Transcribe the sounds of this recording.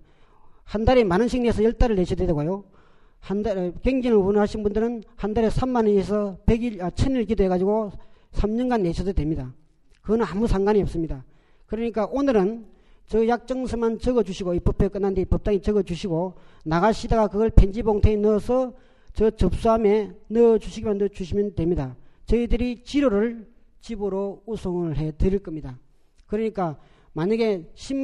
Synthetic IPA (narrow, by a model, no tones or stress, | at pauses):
handaɾemanɯnɕʰiŋnesʰʌjʌɭt͈aɾɯɭneɕʰʌdwedeɡojo | handaɾkeŋɡinɯɭunɦaɕʰinbundɯɾɯnhandaɾesʰamːanɯesʰʌpeɡiʌt͡ɕʰʌniɭk̬idoɦe̞ɣad͡ʑiɡosʰamɲʌnɡanːe̞ɕʰʌdodwemɲida | kɯɡʌnɯnamusʰaŋɡaɲiʌp̚s͈ɯmɲida | kɯɾʌɲik͈aʔonɯɾɯnt͡ɕʌjak̚t͡ɕ͈ʌŋsʰɯmant͡ɕʌɡʌd͡ʑuɕʰiɡoipʌpʰek͈ɯnːand̪eipʌp̚t͈aŋit͡ɕʌɡʌt͡ɕuɕʰiɡonaɣaɕʰidaɡakɯɡʌɭpʰe̞nd͡ʑiboŋtʰeinʌsʰʌ | t͡ɕʌt͡ɕʌp̚s͈uɦame̞nʌd͡ʑuɕʰiɡimandot͡ɕuɕʰimjʌndwe̞mɲidat͡ɕʌidɯɾit͡ɕiɾoɾɯɭ | t͡ɕibɯɾousʰoŋɯɭɦe̞dɯɾiɭk͈ʌmɲida | kɯɾʌɲik͈a | maɲaɡe̞ɕʰim